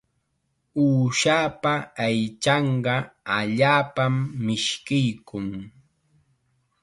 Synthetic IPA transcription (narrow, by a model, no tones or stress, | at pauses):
uːʃaːpaajt͡ʃɑɴɢɑaʎaːpamːɪʃkɪjkʊŋ